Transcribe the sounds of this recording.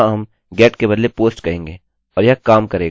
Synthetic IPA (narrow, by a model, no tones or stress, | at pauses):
ãɦɐm | ɡɛːʈkebɐd̪lepoːsʈkɐɦẽːŋɡeː | ɔːɾjakaːmkɐɾeːɡaː